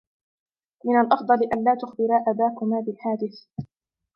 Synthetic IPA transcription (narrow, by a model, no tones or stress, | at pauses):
mɪnalʔɑfd̪ˤɑlɪʔanlaːt̪ʊxbɪɾaːʔabaːkʊmaːbɪlħaːd̪ɪθ